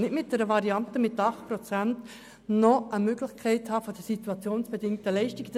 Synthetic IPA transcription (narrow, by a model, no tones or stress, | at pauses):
nɪtmɪt̚d̥ɛɾəvɑɾiɑntəmɪtːɑχt̚pɾɔt͡sænt | nɔəmøɡlɪχkʰɛɪthɑːfod̥əsit̪uɑt͡sjoːnsb̥edɪŋtəlɛɪʃtik